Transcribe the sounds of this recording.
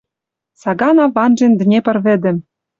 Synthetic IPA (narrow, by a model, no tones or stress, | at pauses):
sɑɡɑnɑβɑnʒend̪ɘ̆nʲepɤ̆rβɘ̆d̪ɘ̆m